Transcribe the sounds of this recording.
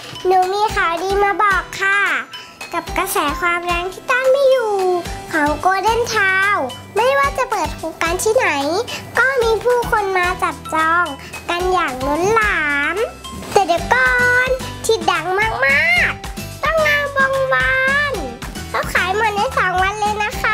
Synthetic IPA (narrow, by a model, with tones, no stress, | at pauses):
nuː˨˦miː˧xaː˨˩wdiː˧maː˧bɔː˨˩kʰːa˧˩ | ka˨˧˩p̚ka˧sɛː˨˦kʰwaː˧mɾɛ˧˥ŋt̪ʰiː˧˩t̪a˥˩˨ŋmiː˧˥juː˨˩kʰɔː˨˦ŋkoː˧dɤ˧˥˨nt̪ʰaː˧w | ma˧˥˨jwaː˧˩˨t͡ɕa˧˨˦pɤː˨˩t̪̚hʰo˨˦kaː˨˧˨nt̪ʰiː˧˩na˨˦jkɔː˧˥˩miː˧pʰuː˧˩kʰo˧nmaː˧t͡ɕa˨˩p̚t͡ɕɔː˧ŋ | ka˧njaː˨˩ŋno˧˦˥nlaː˨˦m | t̪ɛ˧˩diː˨˦wkɔː˧nt̪ʰi˧t̪̚da˨˩˦ŋmaː˧˥˩k̚maː˧˥˨k̚t̪ɔ˥˩˨ŋnaː˧˨wbɔː˧ŋwa˧n | kʰa˧˥˩wkʰaː˨˦jmɔː˧nːa˧˥˨jsɔː˨˦ŋwa˧˥˨nleː˧wna˧˥kʰa˧